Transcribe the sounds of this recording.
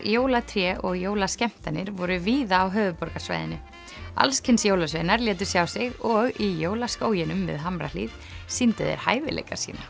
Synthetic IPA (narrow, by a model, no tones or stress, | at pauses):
joːwlat̪ʰɾjɛːʔɔɣjoːwlascɛm̥t̪anɪɾvɔɾʏviːðaːwɦœːvʏpɔɾkasva̰jðɪnːɪ | a̰lskʰɪnsjoːwlasvejnaɾlɛːt̪̬ʏ̥sjawsɪɣɔɣijoːwlaskoːwjɪnʏmːɛ̰ðɦamɾa̰lḭð | sint̪ɪðɛ̰ɾ̥ha̰ːjvɪ̰lḛjkaɾ̥sḭːna